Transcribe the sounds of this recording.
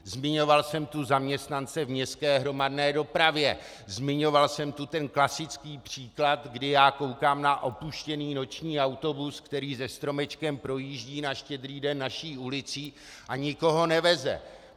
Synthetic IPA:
zmɪɲo̞valsɛmt̪uzamɲɛst̪nant͡sɛvmɲɛst̪kɛːɦɾo̞madnɛːdo̞pɾavjɛ | zmɪɲo̞valsɛmt̪ut̪ɛnklasɪt͡skiːpr̝̥iːklat̪ɡdɪjaːko̞wkaːmnaʔo̞puʃcɛniːno̞t͡ʃɲiːawt̪o̞buskt̪ɛɾiːzɛst̪ɾo̞mɛt͡ʃkɛmpɾo̞jiːʒɟiːnaʃcɛd̪ɾiːdɛnːaʃiːulɪt͡siː | ʔaɲɪko̞ɦo̞nɛvɛzɛ̰

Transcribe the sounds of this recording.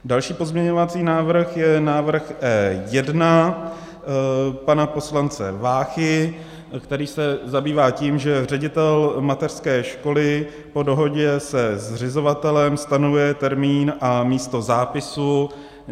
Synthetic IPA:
dalʃiːpo̞zmɲɛɲo̞vat͡siːnaːvr̩xjɛnaːvr̩xʔɛːjɛdna | panapo̞slant͡sɛ̰vaːxɪ | kt̪ɛɾiːsɛzabiːvaːciːmʒɛrɛɟɪt̪ɛlmat̪ɛr̥skɛːʃko̞lɪ | po̞do̞ɦo̞ɟɛsɛzr̝ɪzo̞vat̪ɛlɛmst̪anovujɛt̪ɛɾmiːnʔamiːst̪o̞zaːpɪsu

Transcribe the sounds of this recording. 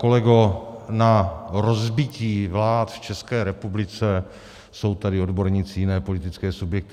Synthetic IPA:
ko̞lɛɡonaɾozbɪciːvlaːt̪ft͡ʃɛskɛːɾɛpublɪt͡sɛ | so̞wt̪adɪodbo̞ɾɲiːt͡sɪjɪnɛːpo̞lɪt̪ɪt͡skɛːsubjɛk̚t̪ɪ

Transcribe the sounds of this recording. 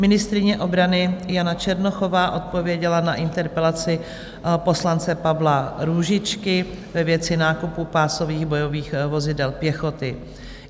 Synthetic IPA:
mɪnɪst̪ɾɪɲɛʔo̞bɾanɪjanat͡ʃɛɾno̞xo̞vaːʔo̞t̪̚po̞vjɛɟɛlanaʔɪnt̪ɛɾpɛlat͡sɪ | po̞slant͡sɛpavlaɾuːʒɪt͡ʃkɪvɛvjɛt͡sɪnaːkupupaːso̞viːɣbo̞jo̞viːxvo̞zɪdɛlpjɛxo̞t̪ɪ

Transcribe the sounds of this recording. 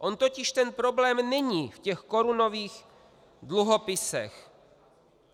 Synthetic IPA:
ʔo̞nt̪o̞cɪʃt̪ɛnpɾo̞blɛːmnɛɲiːfcɛxko̞ɾuno̞viːx | dluɦo̞pɪsɛ̰x

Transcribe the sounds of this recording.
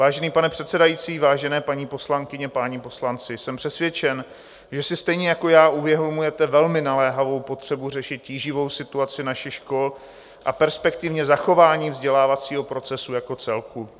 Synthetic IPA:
vaːʒɛniːpanɛpr̥ɛt̪sɛdajiːt͡siːvaːʒɛnɛːpaɲiːpo̞slaŋkɪɲɛpaːɲipo̞slant͡sɪsɛmpr̝̥ɛsvjɛt͡ʃɛn | ʒɛsɪst̪ɛjɲɛjako̞jaːʔuvjɛɦomujɛt̪ɛvɛlmɪnalɛːɦavo̞wpo̞t̪r̝̥ɛburɛʃɪt̪̚ciːʒɪvo̞wsɪt̪uat͡sɪnaʃɪxʃko̞l | ʔapɛɾspɛk̚t̪ɪvɲɛzaxo̞vaːɲiːvzɟɛlaːvat͡siːɦo̞pɾo̞t͡sɛsujako̞t͡sɛlku

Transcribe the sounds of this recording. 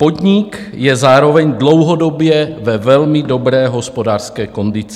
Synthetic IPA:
po̞dɲɪk | jɛzaːɾo̞vɛɲdlo̞wɦodobjɛvɛvɛlmɪdo̞bɾɛːɦo̞spo̞daːrskɛːko̞ndɪt͡sɪ

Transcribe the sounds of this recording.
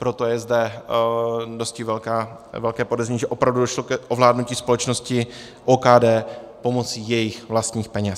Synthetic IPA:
pɾo̞t̪o̞jɛzdɛ | do̞stcɪvɛlkaːvɛlkɛːpodɛzɲiːʒɛʔo̞pɾavdudoʃlokɛʔovlaːdnuciːspo̞lɛt͡ʃno̞scɪ | ʔoːkaːdɛːpo̞mo̞t͡siːjɛjɪxvlast̪ɲiːxpɛɲɛs

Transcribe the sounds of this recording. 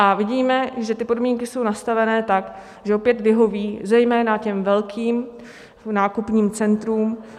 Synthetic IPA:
ʔavɪɟiːmɛʒɛt̪ɪpo̞dmiːŋkɪso̞wnast̪avɛnɛːt̪ak | ʒɛʔopjɛt̪vɪɦo̞viːzɛjmɛːnacɛmvɛlkʰiːm | naːkupɲiːmt͡sɛnt̪ɾuːm

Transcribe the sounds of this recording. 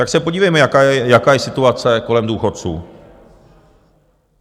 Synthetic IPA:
t̪aksɛpo̞ɟiːvɛjmɛjakaːjɛjakaːjɛsɪt̪uat͡sɛko̞lɛmduːxo̞t̪̚t͡sṵː

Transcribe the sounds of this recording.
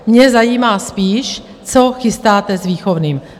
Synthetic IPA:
mɲɛzajiːmaːspiːʃ | t͡soxɪst̪aːt̪ɛzviːxovniːm

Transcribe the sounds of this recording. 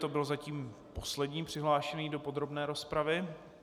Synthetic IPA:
t̪obɪlozaciːmpo̞slɛdɲiːpr̝̥ɪɦlaːʃɛniːdo̞po̞d̪ɾobnɛːɾo̞spɾavɪ

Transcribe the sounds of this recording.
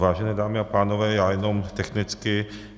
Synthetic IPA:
vaːʒɛnɛːdaːmɪapaːnovɛːjaːjɛno̞mt̪ɛxnɪt͡skɪ

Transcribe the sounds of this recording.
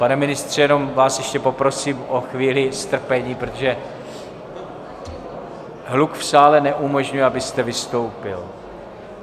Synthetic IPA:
panɛmɪnɪst̪r̝̥ijɛno̞mvaːsjɛʃcɛpo̞pɾo̞siːmʔoxviːlɪst̪r̩pɛɲiːpɾot̪o̞ʒɛ | ɦlukfsaːlɛnɛʔumo̞ʒɲujɛabɪst̪ɛvɪst̪o̞wpɪl

